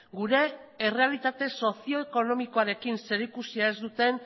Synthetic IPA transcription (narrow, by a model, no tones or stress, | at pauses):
ɡuɾe̞ːre̞alit̪at̪e̞so̞sio̞eko̞no̞miko̞aɾe̞kinse̞ɾikusiae̞zd̪ut̪e̞n